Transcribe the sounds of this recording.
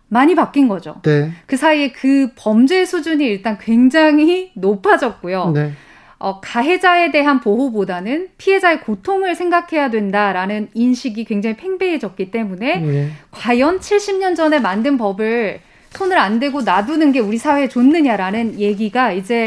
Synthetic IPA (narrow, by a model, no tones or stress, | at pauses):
maɲipak͈inɡʌd͡ʑo̰nekɯsʰaie̞kɯpʌmd͡ʑe̞sʰud͡ʑuɲiːɭt͈ankwe̞ŋd͡ʑaŋinopʰad͡ʑʌk̚k͈ujone | ʌkaɦe̞d͡ʑae̞de̞ɦanpoɦobodanɯnpʰiɦe̞d͡ʑae̞kotʰoŋɯɭsʰe̞ŋɡakʰe̞jadwe̞ndaɾanɯninɕʰiɡikwe̞ŋd͡ʑaŋipʰe̞ŋbeɦe̞d͡ʑʌk̚k͈it͈e̞mune̞kwajʌnt͡ɕʰiɭɕ͈imɲʌnd͡ʑʌne̞mandɯnpʌbɯɭ | sʰonɯɾandwe̞ɡonadunɯnɡe̞uɾisʰawe̞t͡ɕonːɯɲaɾanɯnje̞ɡiɡaid͡ʑe̞